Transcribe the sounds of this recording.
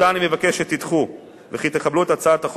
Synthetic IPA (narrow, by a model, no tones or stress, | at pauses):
animevakeʃet̪it̪χu | veχit̪eχabluet̪at͡sat̪aχ